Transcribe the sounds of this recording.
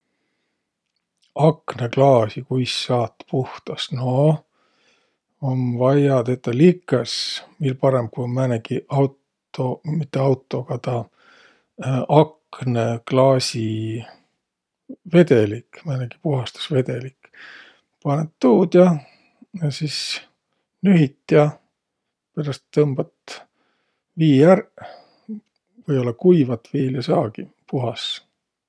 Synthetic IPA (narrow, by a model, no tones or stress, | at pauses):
ɑkneklɑːsikujsːɑːt̪ːpuht̪ɑsno | onvɑjɑd̪et̪ːˑɑlikːˑɑsmilpɑɾemb̥̚kujomæneɡiʔɑwt̪ | omit̪ːˑeɑwt̪ːˑo̞kɑt̪ɑ | ɑkneklɑːsʲi | ve̞d̪elikmɑneɡ̥i̥puɦɑst̪u̥sve̞d̪̥e̞lik | pɑnet̪ːuːd̪jɑ | ɑsis | nyɦit̪ːjɑ | peɾɑst̪ːɤmb̥ɑt̪ | viːær | vɤjo̞lːɑkujvɑt̪ːviːljɑsɑːɡi | puɦɑs